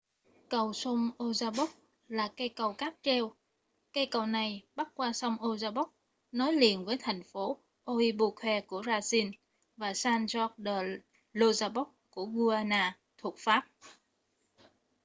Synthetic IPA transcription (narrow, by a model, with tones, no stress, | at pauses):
kə˨˩wso˧ŋ͡mʔo˧zaː˧ɓɔ˦˥k̚ | laː˨˩ka˧jkə˨˩wkaː˦˥p̚t͡ɕɛ˧w | ka˧jkə˨˩wna˨˩jɓa˦˥t̚kwaː˧sɔ˧wŋ͡mʔo˧zaː˧ɓɔ˦˥k͡p̚ | nɔ˨˦jlḭ˨˧˨ənvəː˨˦jt̪ʰɛ˨˩jŋ̟fo˨˦ | ʔo˧ʔi˧ɓu˧kʰwɛ˧ku˧˩əzaː˧si˧n | vaː˨˩saː˧nzɔ˦˥k̚ɗəː˨˩ | lo˧zaː˧ɓɔ˦˥k̚ku˧˩əɣu˧ʔaː˧naː˧ | t̪ʰu˨˩ək̚faː˦˥p̚